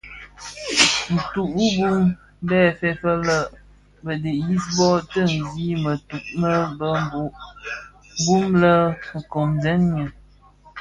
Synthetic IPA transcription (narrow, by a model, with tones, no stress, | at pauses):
n̩˨tu˨ʔu˦bu˦m˦ | bɛː˦˨fɛ˨fə˦lə˦ | bə˨de˨ʔji˦sbɔ˦tə˦˨ŋ̩˨ɡi˦mə˨tu˨ʔmə˦bə˦m˦bo˨ʔ | bu˦mlə˦ŋ̩˨kɔ˨mzɛ˦nɲə˨